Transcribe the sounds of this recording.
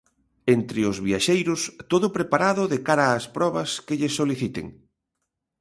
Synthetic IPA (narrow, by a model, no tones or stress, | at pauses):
ent̪ɾɪʊzβiaʃejɾʊst̪oðʊpɾepaɾaðʊðekaɾaːspɾɔβ̞ɐskeʎesoliθit̪ḛŋ